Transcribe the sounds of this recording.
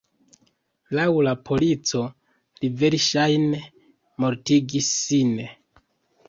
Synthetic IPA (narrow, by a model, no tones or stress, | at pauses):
lawlapʰo̞lit͡so̞ | live̞ɾʃajne | mo̞ɾtiɡisːin